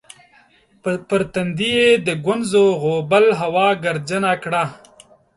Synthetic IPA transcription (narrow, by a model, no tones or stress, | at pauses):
pəɾt̪and̪ijed̪əɡwʊnzoɣobalɦawɑɡaɾd͡ʒənakɽa